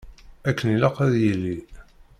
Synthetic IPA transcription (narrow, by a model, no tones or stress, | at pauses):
ækːəniləqæðjilːi